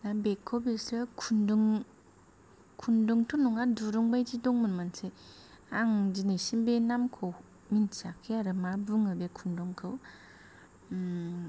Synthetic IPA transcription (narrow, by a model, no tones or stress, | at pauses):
nabekʰːobesɾɯkʰunduŋ | kʰunduŋtʰɔnuŋaduɾuŋbajd͡ʒidɔŋmɯnmanse | aŋd͡ʒinesinbenamkʰow | minsakʰːeaɾɯmabɯŋɯbekʰundɔŋkʰɯw